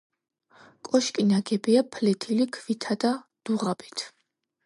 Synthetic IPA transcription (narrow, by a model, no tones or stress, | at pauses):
kʼɔʃkʼinaɡɛbiapʰlɛt̪ʰilikʰvit̪ʰad̪̥ad̪̥uʁabit̪ʰ